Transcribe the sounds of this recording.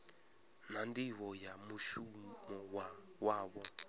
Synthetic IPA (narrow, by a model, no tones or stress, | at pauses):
nandiwɔjamuʃumɔwa | waːɓɔ